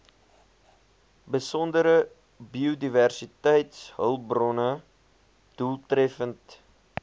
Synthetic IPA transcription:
bəsɔndəɾə | biodiværsitəjtsɦəlˠbrɔnə | d̥ulˠtrɛfənt

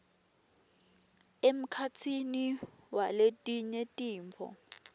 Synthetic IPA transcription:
em̩kʰat͡sʰiniwaletʼiɲɛtʼiːɱvʱɔ̰

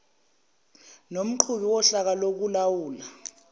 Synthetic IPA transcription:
nom̩ǃʰuɓiwɔɬak̬alok̬ulawuːla

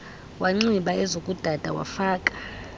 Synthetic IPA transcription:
waŋ͡ǀiɓaʔɛzokʼud̥ʱad̥ʱawa̰faːkʼḁ

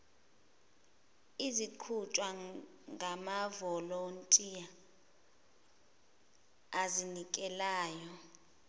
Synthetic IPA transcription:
iziǃʰut͡ʃʼwa | ŋɡʱamavɔlontʼija | zinikʼɛlaːjɔ

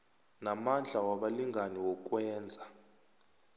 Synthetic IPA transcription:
namand͡ɮʱawaɓaliŋɡʱaniwɔk̬ʼwɛːnd͡zʱa

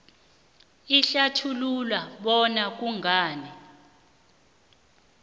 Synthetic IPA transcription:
iɬatʰululwaɓɔnak̬uŋaːnɛ

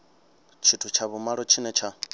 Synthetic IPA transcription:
t͡ʃʰitʰut͡ʃʰaβumaɺɔt͡ʃʰinɛt͡ʃʰa

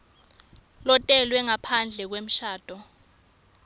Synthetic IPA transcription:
lɔtʼɛlwɛŋapʰand͡ɮʱɛk̬wem̩ʃaːd̥ʱɔ

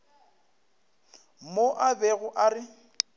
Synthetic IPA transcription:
moʔabeɣʊʔarɪ

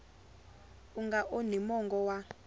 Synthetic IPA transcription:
uŋɡaʔonimɔŋɡɔwa

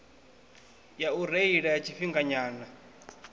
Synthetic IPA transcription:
jauɾeiɺajat͡ʃʰiɸiŋɡaɲaːna

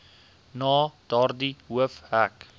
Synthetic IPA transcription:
nɑːd̥ɑrdiwəfhæk

